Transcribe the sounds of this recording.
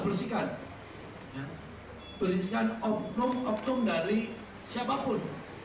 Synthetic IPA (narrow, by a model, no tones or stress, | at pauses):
bərsikan | ja | b̥əɾisikanɔp̚nʊmʔɔp̚tʊmdaɾi | sapapʊn